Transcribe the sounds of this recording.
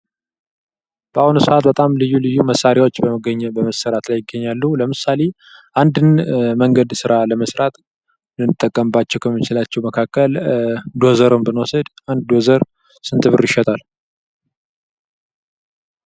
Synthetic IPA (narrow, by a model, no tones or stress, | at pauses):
b̥əahunsɨʔat̪̚bət̪ʼamlɨjːulɨjːuməsːaɾjawot͡ʃːbəɡəɲːbəməsːəɾat̪lajɪɡːəɲːalːuləmɨsale̞ | ʔand̪ɨnməŋɡəd̪sɨɾaləməsɾat̪ʼ | nɨɨt̪ʼːəkʼːəmbat͡ʃːɛwkʰəmːɨt͡ʃɪlat͡ʃːɛwməkʰakːəld̪o̞zəɾombɨnwosəd̪ | and̪d̪ozəɾ | sɨnt̪ʰɨβɨɾɪʃɛt̪ʰal